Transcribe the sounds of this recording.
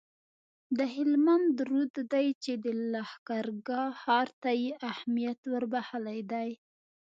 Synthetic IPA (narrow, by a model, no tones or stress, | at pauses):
d̪əɦɪlmand̪ɾud̪ːajt͡ʃed̪əlɑhkaɾɡɑhɑɾt̪ajeʔahmijat̪wəɾbahalajd̪aj